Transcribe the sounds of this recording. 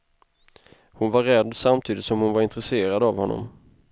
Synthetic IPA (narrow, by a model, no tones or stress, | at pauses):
hʊnvaɾːɛd̪ːsamt̪ʰiːd̪ɪt̪sɔmhʊnvaɾɪnt̪ɾɛseːɾad̪avhɔnːɔ̰m